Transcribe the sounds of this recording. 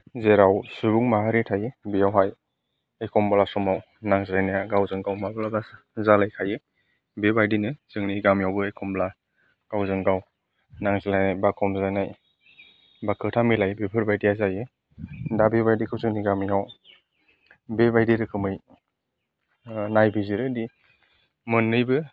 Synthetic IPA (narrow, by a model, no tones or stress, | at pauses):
zeɾawsuɡuŋmaɦaɾetʰajɯbijawɦaj | ekʰɔmbalasɔmaw | naŋzelajnajaɡawzɯŋɡawmabalabas | zalajkʰajɯ | bebajdinɯz̥ɯŋniɡamijawbɯekʰɔmbla | ɡ̥awzɯŋɡaw | naŋzalajnajbakʰɔmzajnaj | bakʰɯtʰamilajbepʰɯɾbajdejazajɯ | dabebajdekʰɯwzɯŋniɡamijaw | bebajdeɾɯkʰɯmɯj | najbiziɾɯdi | mɯnːɯjbɯ